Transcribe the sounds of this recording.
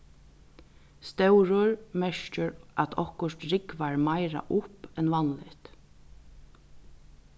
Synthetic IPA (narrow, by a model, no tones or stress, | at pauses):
st̪ɛwɾʊɹmɛɹt͡ʃɪɾat̪ʰɔhkʊʂt̪ɹɪkʋaɹmajɾa̰ʔʊpɛnʋanlɪt̪